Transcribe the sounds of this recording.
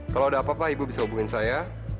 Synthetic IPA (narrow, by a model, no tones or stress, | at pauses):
kalowadaːpapahibubisaubuŋɪnsaja